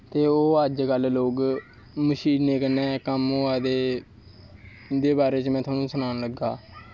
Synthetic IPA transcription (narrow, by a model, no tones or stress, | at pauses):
t̪eːoːəd͡ʒkəlloːɡ | məʃiːnːeːkənːɛ̃ːkəmɦoːaːd̪eː | d̪eːbaːɾeːt͡ʃmɛ̃ːt̪ʰaːnũːsʊnaːnləɡaː